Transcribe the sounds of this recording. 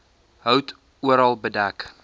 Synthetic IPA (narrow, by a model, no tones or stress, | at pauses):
ɦəwt | uəɾɑlˠbədæk